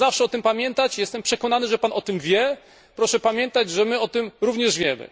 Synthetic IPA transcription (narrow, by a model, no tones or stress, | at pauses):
zafʂɛɔt̪ɘmpamʲjɛnt̪at͡ɕjɛst̪ɛmpʂɛkɔnanɘʐɛpanʔɔt̪ɘmvʲjɛ | pɾɔʂɛpamʲjɛnt̪ad͡ʑʐɛmɘɔt̪ɘmɾuvɲɛʐvʲjɛmɘ̰